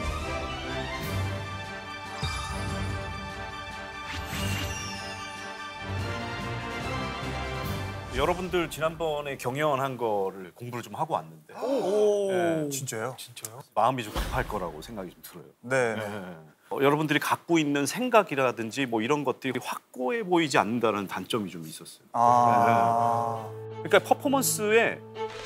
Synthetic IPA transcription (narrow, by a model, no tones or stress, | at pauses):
jʌɾʌbundɯɭt͡ɕinanbʌne̞kjʌŋjʌnɦanɡʌɾɯɭkoŋbuɾɯɭt͡ɕomhaɡoa̰nːɯnde̞ | t͡ɕint͡ɕ͈ajot͡ɕint͡ɕ͈ajomaɯmit͡ɕomtʰi̥pʰaɭk͈ʌɾa̰ɡo̰sʰe̞ŋɡaɡit͡ɕomtɯɾʌjone | jʌɾʌbundɯɾikak̚k͈oinːɯnsʰe̞ŋɡaɡiɾadɯnd͡ʑimwʌiɾʌnɡʌt̚t͈ɯɾiiɸwak̚k͈oe̞poid͡ʑia̰nːɯndaɾanɯntant͡ɕ͈ʌmit͡ɕomis͈ʌs͈ʌjoae | kɯɲik͈apʰʌpʰʌmʌns͈ɯe̞